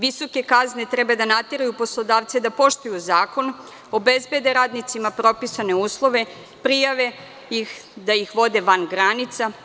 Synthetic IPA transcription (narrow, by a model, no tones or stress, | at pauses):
ʋiso̞ke̞kazne̞t̪ɾɛbad̪anat̪iɾajupo̞slˠod̪aːʋt̪sed̪apo̞ʃt̪ujuzaːko̞n | o̞be̞zbed̪eɾaːd̪nit̪simapɾo̞pisaneuːslˠo̞ʋe̞ | pɾijaʋe̞ | ixd̪ajixʋo̞d̪e̞ʋanɡɾanit̪sa